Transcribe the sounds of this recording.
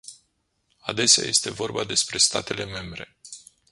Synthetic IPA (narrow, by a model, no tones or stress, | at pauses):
ad̪e̞sea̰je̞st̪e̞vo̞rbad̪e̞spɾe̞st̪at̪e̞le̞me̞mbɾe̞̰